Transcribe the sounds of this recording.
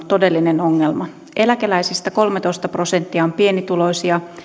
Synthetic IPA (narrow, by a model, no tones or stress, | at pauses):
t̪o̞de̞lːineno̞ŋːelmɑ | ʔe̞lækelæjsist̪æko̞lmet̪o̞ist̪ɑpro̞se̞nt̪ːiɑompie̞nit̪ulo̞isiɑ